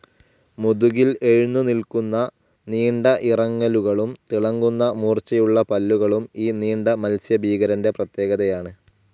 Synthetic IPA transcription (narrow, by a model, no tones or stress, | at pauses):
muðuɣile̞ɻunːunilkunːɐ | niːɳɖɐʔirɐŋːɐluɣɐɭumt̪iɭɐŋːɡunːɐmuːrt͡ɕɐjuɭːɐpɐlːuɣɐɭumiːniːɳɖɐmɐlsjɐbʱiːɣɐɾɐnde̞prɐt̪je̞ːɣɐðɐjaːɳɨ